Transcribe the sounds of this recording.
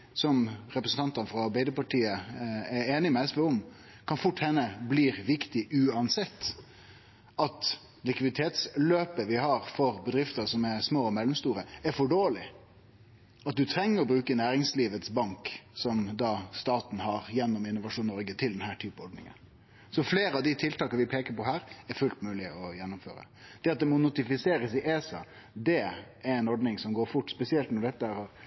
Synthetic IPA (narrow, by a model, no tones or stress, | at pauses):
sɔmɾɛpɾəsn̩t̪ɑnt̪ənfɾɑɑɾbæɪd̪əpɑʈʰiːəɛɾeːnɪmɛɛsʋɛʊm | kʰɑnfʊʈːhɛnːəbliːɾʋɪkt̪ɪʔʉːɑnsɛt̪ː | ɑt̪ | lɪkʋɪd̪ɪt̪ʰeːt̪sløːpəʋɪhɑɾfɔɾbɛd̪ɾɪft̪əsɔmɛsmoːɔmɛlːɔmst̪uːɾəæɾfɔɖoːlɪ | ɑt̪̚d̪ʉt̪ʰɾɛŋːəɾɔbɾʉːkənæːɾɪŋsliːʋət̪sbɑŋksɔmd̪ɑːst̪ɑːt̪n̩hɑɾjɛnːʊmɪnːʊʋɑʂuːnːɔɾɡət̪ʰɪld̪ɛnhæːʈʰyːpəɔɖ̪nɪ̰ŋə̰n | sɔfleːɾəɑʋd̪ɪt̪ʰɪlt̪ɑːkəʋɪpʰeːkəpɔɦæːɾɛɾfʉlt̪mʉːlɪɔjɛnːʊmfø̰ːɾə̰ | d̪̥ɛɑt̪̚d̪ɛmɔnʊt̪ɪfɪseːɾəsɪʔeːsɑ̰ | d̪ɛ | ɛɾɛɪnɔɖnɪŋsɔmɡoːɾfʊʈːspɛsɪɛlt̪nɔɖɛt̪ːəhæɾhɑɾ